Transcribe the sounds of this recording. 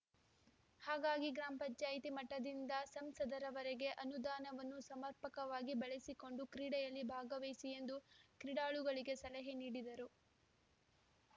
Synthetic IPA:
haːɡaːɡiɡɾaːmpɐɲt͡ʃaːjit̪imɐʈːɐd̪ind̪ɐsɐmsɐd̪ɐɾɐʋɐɾɛɡe̞ʔɐnud̪aːnɐʋɐnːusɐmɐɾpɐkɐʋaːɡibɐɭesiko̞ɳɖukɾiːɽɛjɐlːibʱaːɡɐʋejsije̞nd̪ukɾiɽaːɭuɡɐɭiɡe̞sɐlɐɦeniːɽid̪ɐɾu

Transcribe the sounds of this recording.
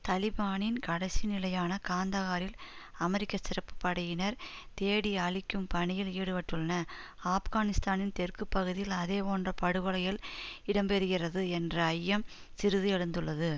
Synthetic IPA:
t̪ɐlɪbaːnɪnkɐɽɐsinɪlɐjaːnɐkaːnd̪ɐɣaːɾɪlɐmɛɾɪkːɐsɪrɐpːɯ̥pɐɽɐjɪnɐɾ | t̪eːɽiaːɭɪkːɯmpɐɳɪjɪliːɽɯpɐʈːɯɭːɐnɐ | aːfɣaːnɪst̪aːnɪnt̪ɛrkɯpːɐɣɯðɪjɪlɐðeːpoːndrɐpɐɽɯɣɐɭɐjɪlɪɽɐmpɛɾɯɣɪrɐðɯɛndrɐɐjːɐm | sɪɾɯðɯɛɻɯnd̪ɯɭːɐðɯ

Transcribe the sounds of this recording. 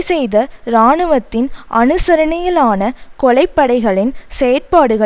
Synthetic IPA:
sɛjðɐɾaːɳɯʋɐt̪ːɪnʔɐnɯsɐɾɐɳɐjɐlaːnɐkɔɭɐɪpːɐɽɐɪɣɐɭɪnsɛjɐɾ̚paːɽɯɣɐ

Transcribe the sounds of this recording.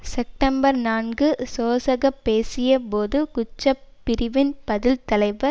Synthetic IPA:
sɛp̚ʈɐmbɐɾnaːnɡɯsoːsɐɣɐpːeːsɪjɐpoːðɯkʊt͡ʃːɐpːɪɾɪʋɪnpɐðɪlt̪ɐlɐɪʋɐɾ

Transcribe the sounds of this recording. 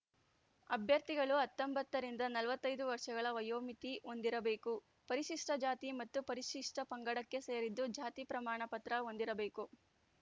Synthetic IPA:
ɐbʱjɐɾt̪iɡɐɭuɐt̪ːɐmbɐt̪ːɐɾind̪ɐnɐlʋɐt̪ːɐjd̪uʋɐɾʂɐɡɐɭɐʋɐjoːmit̪iond̪iɾɐbe̞ːku | pɐɾiʃiʂʈɐd͡ʒaːt̪imɐt̪ːupɐɾiʃiʂʈʰɐpɐŋɡɐɽɐkːe̞se̞ːɾid̪ːud͡ʒaːt̪ipɾɐmaːɳɐpɐt̪ɾɐo̞nd̪iɾɐbe̞ːku

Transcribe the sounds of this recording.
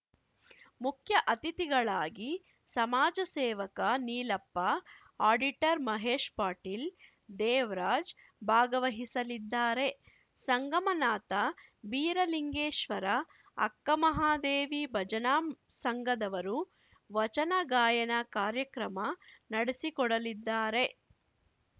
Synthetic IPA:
mukʰjɐʔɐt̪it̪iɡɐɭaːɡi | sɐmaːd͡ʒɐseːʋɐkɐniːlɐpːɐ | aːɖiʈɐɾmɐɦeːʃpaːʈil | d̪ɛːʋɾaːd͡ʒ | bʱaːɡɐʋɐɦisɐlid̪ːaːɾe̞ | sɐŋɡɐmɐnaːt̪ɐbiːɾɐliŋɡeːʃʋɐɾɐ | ɐ̰kːɐmɐɦaːd̪eːʋibʱɐd͡ʒɐnaːmsɐŋɡɐd̪ɐʋɐɾu | ʋɐt͡ʃɐnɐɡaːjɐnɐkaːɾjɐkɾɐmɐnɐɽesikɔɽɐlid̪ːaːɾe̞

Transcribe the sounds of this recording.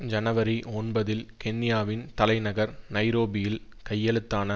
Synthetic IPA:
d͡ʒɐnɐʋɐɾiɔnbɐðɪlkɛnːɪjaːʋɪnt̪ɐlɐɪnɐɣɐɾnɐɪɾoːbɪjɪl | kɐjːɐɭɯt̪ːaːnɐ

